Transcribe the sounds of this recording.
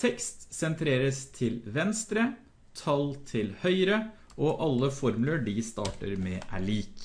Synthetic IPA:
t̪ʰɛkst̪sɛnt̪ʰɾeːɾəst̪ʰɪlʋɛnst̪ɾə | t̪ʰɑlt̪ʰɪlhœʏɾə | ʔɔʔɑlːəfɔɾmʉləɖɪst̪ɑ̰ːʈə̰ɾmɛːʔæ̰ɭiːk

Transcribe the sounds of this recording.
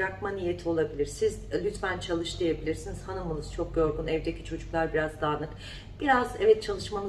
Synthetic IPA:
ɾakmanijet̪ʰio̞lˠabilʲiɾsizlʲyt̪fænt͡ʃʰalˠɯʃd̪ije̞bilʲiɾsiniz̥hanɯmunuz̥t͡ʃʰo̞k̚ɟo̞ɾɡunɛvd̪eci̥t͡ʃʰo̞d͡ʒuklˠaɾbiɾazd̪aːnɯk | b̥iɾazɛvɛt̪̚t͡ʃʰalˠɯʃmanɯ

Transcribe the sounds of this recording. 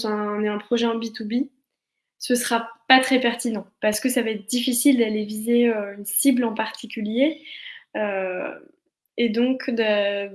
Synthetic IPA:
t̪ɛ̃ɔ̃nɛɛ̃pχɔʒɛɑ̃bit̪ubi | səsəχapat̪χɛpɛʁt̪inɑ̃paʁsə̥kəsavaɛt̪χd̪ifisild̪alevizeøynsiblɑ̃paʁt̪ikʲylje | ø | ed̪ɔ̃kd̪ə

